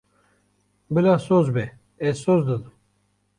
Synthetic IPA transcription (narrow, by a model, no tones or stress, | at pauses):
bilasozbe | esozd̪əd̪ɨm